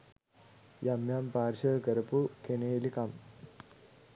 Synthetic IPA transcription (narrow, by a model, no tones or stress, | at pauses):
jamjampaːɾɕəːkəɾɐpukeneːlikam